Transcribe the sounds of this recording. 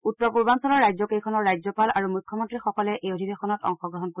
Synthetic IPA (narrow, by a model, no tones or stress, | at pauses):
utːɔpuɹbansɔlɔɹːajd͡ʑɔkejkʰɔnɔɹːajzɔpalaɹumukʰːjɔmɔntɹixɔkɔlɛʔejodʱibexɔnɔtɔ̰ŋxɔɡɹɔɦɔnko